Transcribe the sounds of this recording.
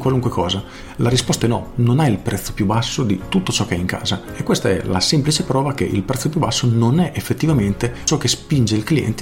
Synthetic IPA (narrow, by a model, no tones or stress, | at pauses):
kwaluŋkwekʰɔːza | laɾispɔst̪aɛnɔnonailpɾɛt̪sːo̥pjubasːod̪it̪ut̪ːot͡ʃɔkeɛiŋka̰ːza | ekːwest̪aɛ̰la̰sɛmplit͡ʃepɾɔːvakeʔḭlpɾɛt̪sːopjubasːononɛʔefːet̪ːivament̪et͡ʃɔkːespind͡ʒeilkliɛ̰nt̪e̥